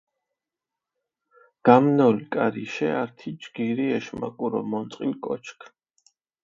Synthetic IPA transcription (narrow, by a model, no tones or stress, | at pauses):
ɡ̥amnɔlkʼaɾiʃɛaɾt̪ʰid͡ʒɡ̥iɾiɛʃma̰kʼuɾɔ̰mɔnt̪sʼqʼilkʼɔ̰t͡ʃʰkʰ